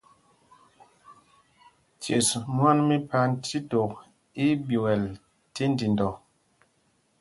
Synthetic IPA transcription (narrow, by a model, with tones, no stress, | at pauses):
tje˨smwa˦nmi˦pa˨n̩˦ti˦to˨k̚ | i˦bjo˨wɛ˨l | ti˦n̩˦di˨n˨dɔ˨